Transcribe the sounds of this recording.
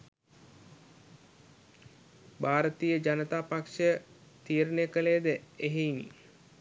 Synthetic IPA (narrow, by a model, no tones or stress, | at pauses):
baːɾət̪ijəd͡ʒanət̪aːpakʂət̪iːɾənəjəkəlejːd̪əeɦeinḭ